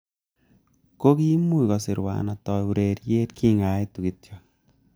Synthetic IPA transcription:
ko˦ki˦mu˦˨kɔ˨sɪ˨ɾwa̰˨na˨tɔ˨u˨ɾe˨ɾje˦tkʰi˦ŋa˨˦i˦tu˨ki˨tjo˨

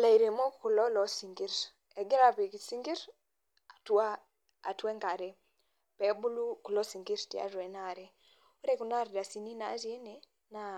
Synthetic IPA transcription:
a˨la˨i˨ɾe˨mɔ˦ku˨lɔ˦lɔ˨si˨ŋɡi˦ɾ | ɛ˨ɡɛ˦ɾa˨pi˨ki˨si˦ŋɡi˦ɾ | a˨tu˦a˦ | a̰˨twɛ˦ŋɡa˨ɾɛ˦ | pɛ˨bu˦lu˦ku˨lɔ˦si˨ŋɡi˦ɾti˦a̰˦ɾwɛ˨na˨ɾɛ˦ | u˦ɾɛ˦˨ku˨na˦ɾda˨si˨ni˦na̰˨˦ɾe˦ne˦ | na˨

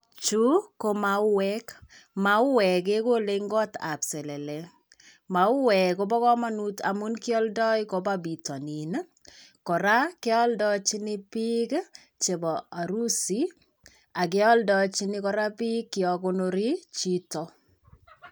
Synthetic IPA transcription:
t͡ʃu˦ko˦ma˨u˦wɛ˦kma˨u˦wɛ˨ke˦ko˦le˦ŋɡɔ˦ta̰˨psɛ˨lɛ˨lɛ˨ | ma˨u˦wɛ˨ko˦bɔ˦kɔ˦ma˦nu˦ta̰mu˦nkɪ˦ɔ˦ldɔ˦iko˦ba˦bi˨tɔ˨ni˨n | kɔ˨ɾa˦ke˦ɔ˦ldɔt͡ʃi˦nɪ˦pi˦k | t͡ʃe˨bɔa˨ɾu˦si˨ | a˨ke˦ɔ˦ldɔ˦t͡ʃinɪ˦kɔ˦ɾa˦pi˦kːɪ˨ɔ˨ko˦no˦ɾi˦t͡ʃi˦tɔ˦

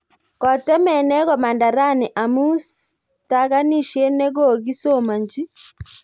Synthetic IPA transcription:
kɔ˨tɛ˦mɛ˨nɛ˦ɣɔ˨ma˨nda˨ɾa˦˨nɛ˨ʔa˨mu˦ | ta˦ɣa˦ni˦˨ʃɛ˦nɛ˦ɣɔ˦˨ɣi˦so˦˨ma˨ɲd͡ʒi˦

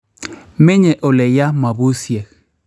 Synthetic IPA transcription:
mɪ˦ɲɛ˨ʔo˨lɛ˨ja˦ma˨bu˦sje˨

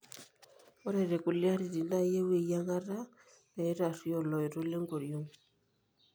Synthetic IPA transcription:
ɔ˦ɾɛ˨ɾe˨ku˨lja˦ɾi˨ɾi˨na˦je˦we˨ja˦ŋa˦ɾa˦ | pɛ˨˦ɾa˨si˦ɔ˦˨lɔ˨i˨ɾo˦le˦ŋɡo˨ɾjo˦ŋ

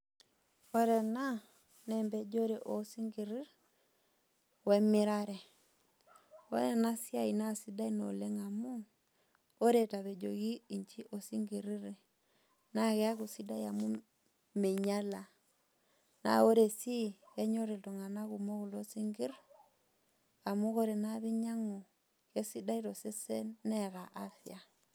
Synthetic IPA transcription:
o˦ɾɛ˨na˦ | nɛ˨mbɛ˨d͡ʒo˦ɾe˨ʔo˨˦si˦ŋɡi˨ɾi˦ɾ | wɛ˦mɪ˦ɾa˦ɾɛ˨ | o̰˦ɾɛ˨na˦si˦a˦i˨na˦˨si˦da˦i˦no̰˨le˦ŋa˨mu˦ | o˦ɾe˨ta˨βe˨d͡ʒo̰˨ɣi˦i˨ɲt͡ʃi˦ʔo˨si˦ŋɡi˨ɾi˦ɾe˨ | na˨ɣɛ˦a˦ɣu˨si˦da˦i˦a˨mu˦ | me˨ɲa˦la˨ | na̰˨o˦ɾe˨si˦ɛ˦ɲo˦ɾe˨to˨ŋa˨na˦ɣu˨mo˦ɣu˨lo˦si˦ŋɡi˦ɾ | a˨mu˦ɣo˦ɾe˨na˦βe˦ɲa˦ŋo˨ | ke˦si˦da˦i˦ɾo˨se˦se˦nɛ˦ɣa˨ʔa˦θja˨

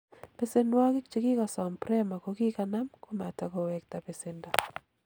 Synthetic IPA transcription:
pe˦se˦nwɔ˦kɪ˦kt͡ʃe˨kɪ˦ka˨sɔ˨mpɾɛ˦ma˨ko˨kɪ˦kana˦mko˦ma˨ta˨kɔ˨wɛ˨k̚ta˨pe˨se˨nda˨

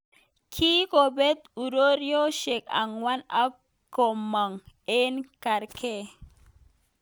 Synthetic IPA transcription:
kʰi˦ko˨be˦t̪u˨ɾo˦ɾjo˦ʃe˨ka̰˨ŋwa˦na˦ | kːo˨mːa˨ŋe˦nka˨ɾkʰe˦

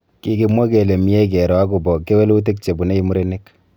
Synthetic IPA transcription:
ki˨˦ki˨mwɔ˦ke˨le˨mi˦e˦k̬e˨ɾɔ˨a˦ku˨bɔ˨ke˦we˦lu˦t̬e˦k̚t͡ʃe˨bu˨ne˦i˦mu˦ɾe˦ne˦k

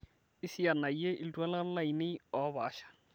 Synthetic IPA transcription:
ɪ˦si˦ja˨na˨i˦je˦ʔi˦ltwa˦la˦l̩˦la˦i˨ne˦ɔ˨˦βa̰ː˨ʃḁ˨

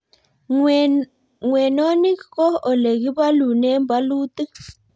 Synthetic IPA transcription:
ŋwɛ˨no˦ni˦kkɔ˦ɔ˨le˨k̬i˦βa˦lu˨nɛ˦mba˦luː˦tʼi˦

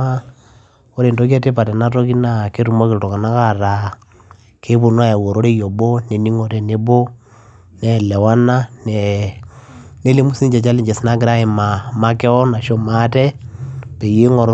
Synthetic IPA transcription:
a˦ | o˦ɾe˨ndo˦k̬ɛ˦te˦pa˨tɛ˨na˦to˦ki˦na˦˨ke˦tu˨mɔ˦ke˦ɾto˨ka˨na˦ka˦ɾa˨ | kʰe˦βo˨nwa˦ja˨wo˨ɾo˦ɾe˦jɔ˨bo˦ne˨ni˦ŋo˨ɾɛ˨ne˦bo˦ | nɛ˦lɛ˨wa˦na˦nɛ˨ | ne˦le˦mu˦si˦ɲd͡ʒɛ˨t͡ʃa˦li˦ɲd͡ʒɛ˨sna˦ki˦ɾa˦e˨ma˨ma˦kɛ˦ɔ˦na˨ʃo˦ma˦tɛ˦pe˨je˦ŋɔ˨ɾo˦

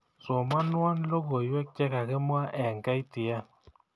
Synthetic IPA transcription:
so˨ma˦nwa˦nlo˦ɡo˨jwɛ˦k̚t͡ʃɛ˦ka˨kɪ˦mwa˦ʔɛ˨ŋka˦jtɪ˨a˦

